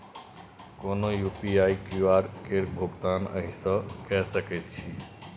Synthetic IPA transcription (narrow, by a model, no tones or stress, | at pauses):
konojupiaikuaɾkeɾbʱoɡt̪anə̰ɦisɔkɛsəket͡ʃʰi